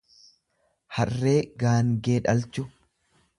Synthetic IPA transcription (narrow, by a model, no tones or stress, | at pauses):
hɐrːe̞ːɡaːŋɡe̞ːᶑɐlt͡ʃʊ